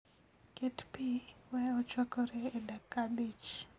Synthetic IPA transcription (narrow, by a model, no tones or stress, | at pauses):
ketpiwɛɔt͡ʃwakɔɾɛːdakːabit͡ʃ